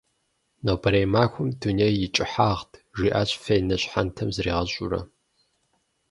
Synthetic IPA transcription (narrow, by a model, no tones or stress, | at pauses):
nowbɐɾejmaːxʷʊmdunejːɪt͡ʃʼɪħaːʁtʰʒiːʔaːɕʼfɐjnɐɕʼħantʰɐmzɨɾiːʁɐɕʼʊ̰rɐ̰